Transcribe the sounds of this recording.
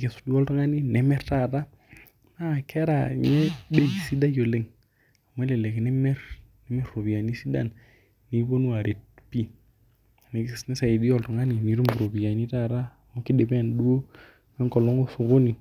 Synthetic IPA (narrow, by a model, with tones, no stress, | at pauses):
ke˨su̥˨di˦ɔ˦ltɔ˦ŋa˦ni˦nɛ˨mɛ˦ɾta˦˨ɾa˦ | na˦˨kɛ˦ɾa̰˨ɲɛ˦be˦˨si˦da˦jo˨le˦ŋ | a˨mwɛ˦lɛ˨lɛ˨knɛ˦mɛ˦ɾnɛ˦mɛ˦ɾːo˨bi˨ja˨ni˦si˦da̰˦˨n | ni˨˦bo˦nu˦a˨ɾe˨t̚pi˦˨ | ne˨˦snɛ˦sa˨i˨dɔ˨ltɔ˨ŋa˦ni˨ni˨ɾu˦mbu˨ɾo˨bi˨ja˨ni˦ta˦˨ɾa˦˨mo˦ki˦de˨pɛ˦˨ndu˦o˦ | mɛ˦ŋkɔ˨lɔ˦ŋo˦su˨ko˦ni˨